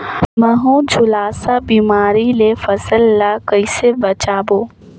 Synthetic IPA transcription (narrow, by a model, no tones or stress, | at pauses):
mɐɦũd͡ʒʱʊlaːsabiːmaːɾilefɐsəlːakəɪsebɐt͡ʃaːboː